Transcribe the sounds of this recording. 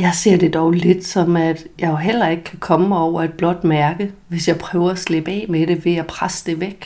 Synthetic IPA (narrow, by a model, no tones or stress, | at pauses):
jɑ̈ɪse̝ɐ̰d̥e̝d̥ɒʊle̝d̥sɒ̽mæd̥jɑ̈ɪɦel̰ɐe̝ɡ̥əkʰækʰɒ̽məɒʊ̰ɐe̝d̥̚b̥lɒ̽d̥mæɐɡ̥əʋe̝sjɑ̈ɪpʰʁœːʊɐæsleb̥ɛ̰ːmeɾ̥e̝ʋe̝æpʰʁasəd̥e̝ʋeɡ̥